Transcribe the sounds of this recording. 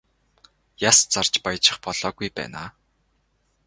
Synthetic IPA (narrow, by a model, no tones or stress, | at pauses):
jast͡sar̥t͡ɕpajt͡ɕɪ̆χpɔɮ̥ɔːɣujpæ̰ːna̰ː